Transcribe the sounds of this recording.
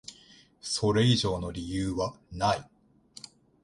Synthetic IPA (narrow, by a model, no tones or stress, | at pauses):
so̞ɾe̞iʑo̞ːno̞ɾʲijɯːβa | nai